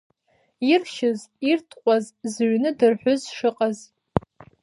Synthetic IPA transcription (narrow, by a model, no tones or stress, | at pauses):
irʃɪzirtʰqʷʼazzɥnɨdɨrħʷᶣʊzʂɨqʼaz